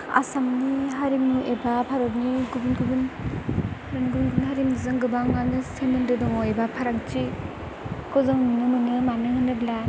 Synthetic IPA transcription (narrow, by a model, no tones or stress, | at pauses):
a̰samniɦaɾimnuʔebapʰaɾɔp̚niɡubinɡubin | bɯnɡubnɡubinɦaɾimnizɯŋɡɯbaŋanɯsenɯndɯdɔŋɔebapʰaɾakt͡ʃi | kʰɔzɔŋmɯnɯmɯnɯmanɯhɯnɯbla